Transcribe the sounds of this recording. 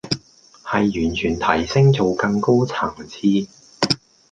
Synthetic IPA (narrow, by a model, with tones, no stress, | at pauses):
hɐ˨jːyː˨˩nt͡ʃʰyː˨˩nt̪ʰɐ˨˩jsɪ˥ŋt͡so˨wkɐ˧ŋko˥wt͡sʰaː˨˩ŋt͡sʰiː˧